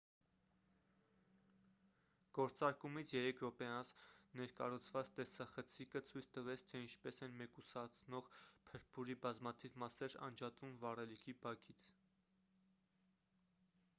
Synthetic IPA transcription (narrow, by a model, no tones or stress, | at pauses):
ɡ̥ɔɾt͡sɑɾkumit͡sʰjɛɾɛkʰɾɔpɛɑnsnɛɾkɑ̰ɾut͡sʰvɑt͡st̪ɛsɑχət͡sʰikət͡sʰujt͡sʰt̪əvɛt͡sʰt̪ʰɛint͡ʃʰpɛsɛnmɛkusɑt͡sʰnɔʁpʰəɾpʰuɾibɑzmɑt̪ʰivmɑsɛɾɑ̰nd͡ʒɑt̪vumvɑrɛlikʰibɑkʰit͡sʰ